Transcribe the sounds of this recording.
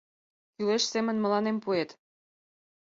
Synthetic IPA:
kyleʃsemə̆nmə̆lɑnempuet̪

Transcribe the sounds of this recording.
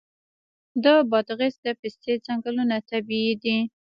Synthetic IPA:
d̪əbɑd̪ɣɪsd̪əpɪst̪et͡saŋɡəlunat̪abiːd̪i

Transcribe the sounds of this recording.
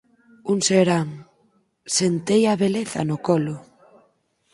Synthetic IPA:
uŋseɾaŋ | sent̪ejaβeleθa̰nʊkɔlʊ

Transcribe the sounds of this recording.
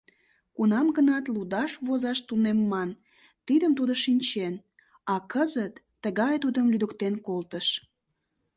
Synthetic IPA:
kunɑmɡənɑt̪lud̪ɑʃβozɑʃt̪unemːɑn | t̪id̪əmt̪ud̪oʃinʲt͡ɕen | ɑkəzət̪ːəɣɑjt̪ud̪əmlyd̪əkt̪enkolt̪əʃ

